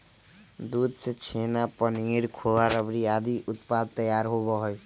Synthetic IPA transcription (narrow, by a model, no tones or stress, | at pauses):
d̪ud̪̚sʰet͡ʃʰenapʌniɾkʰowaɾʌbɾiad̪iʔut̪pad̪̚t̪ʌjaɾɦoβɔɦoj